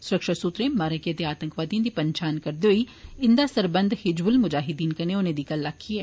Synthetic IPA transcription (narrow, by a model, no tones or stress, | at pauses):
sʊɾəkʃəsut̪ɾemaːɾakit̪eaːt̪ə̃ŋkʋaːt̪ijãd̪ipɐɲt͡ʃaːnkɐɾd̪eɦoiɪ̃nd̪aːsəɾbə̃nd̪hɪd͡ʒbʊlmʊd͡ʒaːɦɪd̪iːnkɐneonẽd̪ikɐlːakʰːiɛː